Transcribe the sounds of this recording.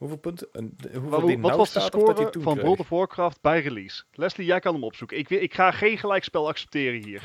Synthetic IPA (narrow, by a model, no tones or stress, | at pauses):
ɦuvlˠpntɦuʋɑʋɑsdəskoːrəvɑnbolˠdəvʊːɹkrɑft̚bɛjrilislɛslijɛjkɑnəmɔpsukəɪkʋɪkχaːχejnχəlɛjkspɛlˠɑksɛ̥p̚tɪːrəɦiːɹ